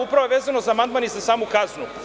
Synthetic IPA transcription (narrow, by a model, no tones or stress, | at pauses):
upɾaʋoeʋe̞ːzano̞zaːmand̪manizasaːmukaznu